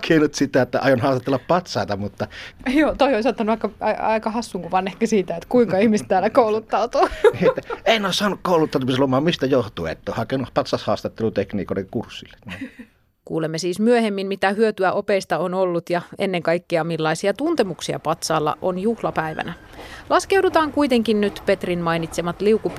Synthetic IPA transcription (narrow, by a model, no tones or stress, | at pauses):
kʰenut̪sit̪æet̪ːæ̰ɑ̰jonhɑˑːst̪ɑt̪ːelːɑppɑt̪sɑˑet̪ɑmut̪ːɑjoːt̪oioisɑt̪ːɑnuɑikːɑɑiɑikɑhɑsːuŋkuʋɑnehkæsiːt̪æet̪kuiŋkɑihmist̪t̪æːlːækoulut̪ːɑut̪uːniet̪ːæeˑinːoˑːssɑːnukkoˑulut̪ːɑˑnmslomɑːmmist̪æjoht̪uḛḛt̪ːæohɑkenupɑt̪sɑshɑːst̪ɑt̪ːelut̪ekniːkoˑeeŋkursːilːeni | kuːlemːesiːsmyøhemːimmit̪æhyøt̪yæʔo̞peist̪ɑonolːut̪jɑḛnːeŋkɑjkːiɑmilːɑisiɑt̪unt̪emuksiɑ̰pɑt̪sɑːlːɑ̰ʔonjuhlɑpæjʋæ̰nælɑskewdut̪ɑːŋkuit̪e̞ŋkinnyt̪pe̞t̪rinmɑinit̪semɑt̪liukup